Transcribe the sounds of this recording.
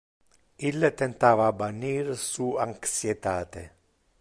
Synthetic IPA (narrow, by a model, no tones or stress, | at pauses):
ilːet̪ent̪aːvaːbanːiːɾsuaŋksjet̪aːt̪e